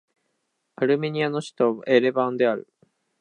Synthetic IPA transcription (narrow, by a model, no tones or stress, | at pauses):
aɾɯ̟me̞ɲ̟iano̞ɕi̥t̪o̞aʔeɾe̞bãnd̪e̞aɾɯ̟̰